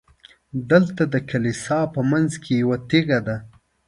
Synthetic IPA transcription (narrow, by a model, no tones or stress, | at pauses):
d̪əlt̪ad̪əkʰalisɑpəmanzkʰejawat̪eɣad̪a